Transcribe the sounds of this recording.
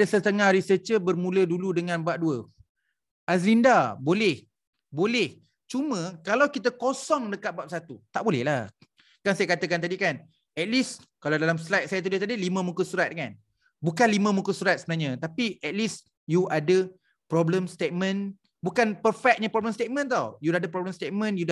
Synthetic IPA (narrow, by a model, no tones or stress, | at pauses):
adəsət̪əŋahɾisət͡ʃəbərmũləduludəŋãnbuaʔ̚duə | ʔaslindabolɛh | bolɛh | t͡ʃumə̃kalawkit̪̬əkosɔŋdəkat̪̚bap̚sat̪ut̪aʔbolɛhlah | kansajakat̪əkant̪̬adikan | ɛt̪̚liskalawdalamslajt̪̚sajat̪udət̪adilimə̃mukəsuɾat̪̚ŋan | bukanlimə̃mũkəsuɾat̪̚səmənaɲə̃t̪apiʔɛt̪̚lis | juʔadə | pɾɔbləmst̪et̪̚mə̃n | bukanpərfɛk̚ɲə̃pɾɔbləmst̪et̪̚mə̃nt̪̬awjudahdapɾɔbləmst̪et̪̚mə̃njuda